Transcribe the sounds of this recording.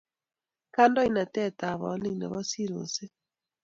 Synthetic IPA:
ka˦ndɔ˦i˦na˨tɛ˦˨ta˨βɔ̰˨˦li˦nɛ̰˨βɔ˦si˦ɾo˨se˦

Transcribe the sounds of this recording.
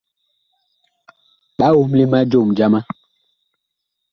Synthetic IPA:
ɓa˦wo˦mli˦ma˦d͡ʒo˦˨md͡ʒa˦ma˦

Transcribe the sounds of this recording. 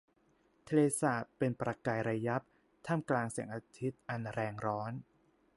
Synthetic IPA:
t̪ʰe˧leː˧saː˨˩t̪̚pe˧npɾa˧kaː˧jɾa˧ja˦˥p̚ | t̪ʰaː˥˩mklaː˧ŋsi˨˩˦ŋʔa˧t̪ʰi˦˥t̪̚ʔa˧nɾɛː˧ŋɾɔː˦˥n

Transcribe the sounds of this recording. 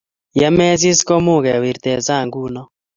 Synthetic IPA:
ja˦mɛ˦zi˦skɔ˦mu˦˨ɣɛ˨wi˨ɾt̪ɛ˨za˦˨ŋɡu˦nɔ˦

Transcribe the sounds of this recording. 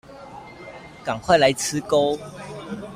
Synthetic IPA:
ka˨˩ŋkʰwa˥˩ɪla˨˦jt͡s̩ʰ˦ko˦ʊ

